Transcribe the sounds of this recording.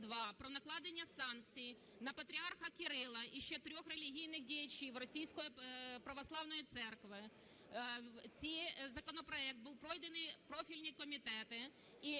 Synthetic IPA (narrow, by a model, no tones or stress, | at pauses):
d̪ʋɑpɾɔnɐklˠɑd̪enʲːɐsɑnkt͡sʲij | nɐpɐt̪ɾʲiɑrxɐkɪɾɪlˠɐʔiʃt͡ʃɛt̪ɾʲɔxre̞lʲiɦʲijnɪxdʲijɐt͡ʃiwrɔsʲijsʲkɔjipɾɐʋɔslˠɑwnɔjit̪sɛrkʋɪ | t͡sʲizɐkɔnɔpɾɔɛk̚t̪̚buwpɾɔjd̪enɪjpɾɔfʲilʲnʲikɔmʲit̪ɛt̪ɪ | i